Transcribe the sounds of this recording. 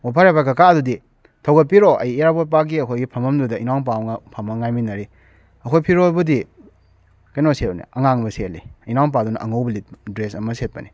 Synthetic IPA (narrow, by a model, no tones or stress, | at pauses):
wapʰaɾepakɐkaɐdudi | tʰɐwɡɐt̚piɾoʔɐ̰jijaɾbot̚p̬ak̚ɡiɐkʰojɡipʰɐmɐmdudɐʔinawŋp̬awŋɐpʰɐmɐŋajminɐɾi | ɐkʰojpʰiɾobɐdi | kɐjnoset̚nḭɐŋaŋbɐsetlḭinawnp̬adunɐʔɐŋowbɐlit̚dɾesɐmɐset̚pɐni